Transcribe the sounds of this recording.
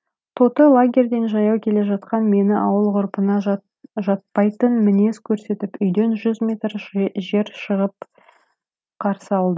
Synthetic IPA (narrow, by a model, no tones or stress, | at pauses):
t̪ʰo̞t̪əlˠaɡʲe̞ɾʲd̪e̞nʒɑjɑwkʲʰe̞le̞ʒɑt̪qɑnme̞nɪʔɑwəlˠqʊɾpənɑ | ʒɑt̪̚pɑjt̪ənmɪne̞skʲʰɵɾse̞t̪ɪpʏjd̪e̞nʒʏzmʲe̞t̪ɾʒe̞ɾʃəʁəp̚ | qʰɑɾsəɑlˠd̪ə